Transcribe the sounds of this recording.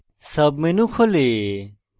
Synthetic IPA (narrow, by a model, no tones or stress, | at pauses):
sɐbmenũkʰole